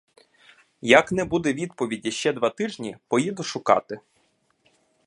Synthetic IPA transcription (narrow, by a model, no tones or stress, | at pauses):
jɐknɛbud̪ɛʋʲid̪pɔʋʲidʲiʃt͡ʃɛd̪ʋɑt̪ɪʒnʲipɔjid̪ʊʃʊkɑ̰t̪ɪ